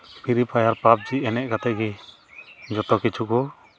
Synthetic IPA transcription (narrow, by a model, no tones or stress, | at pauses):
pʰiɾipʰajaɾpap̚d͡ʒiɛnɛʔ̚kat̪ɛɡi | d͡ʒɔt̪ɔkit͡ʃʰukɔ